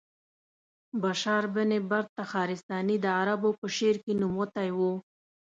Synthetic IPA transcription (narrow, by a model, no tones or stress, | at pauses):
baʃɑɾbənebaɾt̪axɑɾɪst̪ɑnid̪əaɾabopəʃeɾkenumwət̪ajwu